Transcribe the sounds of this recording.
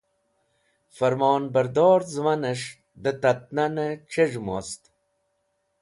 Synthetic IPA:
fɐɾmoːnbɐɾd̪oːɾzmɐneʂ | d̪ət̪ɐt̪̚nanet͡ʃeʐmo̰st̪

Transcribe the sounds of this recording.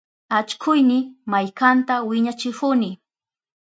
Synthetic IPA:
at͡ʃkʰʊjnɪmajkant̪awɪɲat͡ʃɪhʊnɪ

